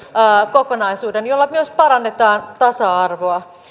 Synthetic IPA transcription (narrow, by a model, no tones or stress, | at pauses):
kokonɑisuːdenjolːɑmyøspɑɾɑnːe̞t̪ɑːnt̪ɑsɑɑrʋoɑ